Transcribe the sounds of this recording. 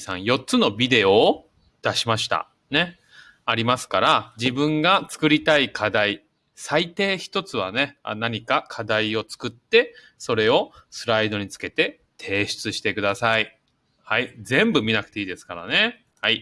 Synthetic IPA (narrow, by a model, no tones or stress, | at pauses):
sã̰ɰ̃jo̞tt͡sɨno̞bʲid̪e̞o̞ː | d̪̥aɕimaɕi̥t̪a̰ | ne̞ | aɾʲimasɨ̥kaɾad͡ʑibɯ̟̃ŋɡat͡sɨ̥kɯ̟ɾʲit̪aikʰad̪ai | sait̪e̞ːçi̥t̪o̞t͡sɨβ̞a̰ne̞naɲ̟ikakʰad̪aio̞t͡sɨ̥kɯ̟t̪ːe̞ | so̞ɾe̞o̞sɨɾaid̪o̞ɲ̟it͡sɨ̥ke̞t̪e̞ | t̪ʰe̞ːɕi̥t͡sɨɕi̥t̪e̞kɯ̟d̪asai | haizẽ̞mbɯ̟mʲinakɯ̟̥t̪e̞iːd̪e̞sɨ̥kaɾa̰ne̞ | hai